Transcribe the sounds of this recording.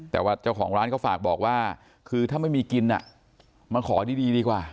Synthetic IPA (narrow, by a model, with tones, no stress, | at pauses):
t̪ɛ̰ː˨˩waː˥˩t͡ɕaː˥˩wkʰɔː˩˦ŋɾaː˦˥nkʰɔ˦˥˩faː˨˩k̚bɔː˨˩k̚waː˥˩ | kʰɯː˧t̪ʰaː˥˩ma˥˩jmiː˧ki˧nʔa̰˨˩ | ma˧nkʰɔː˩˦diː˥˧˩diː˧diː˧kwaː˨˩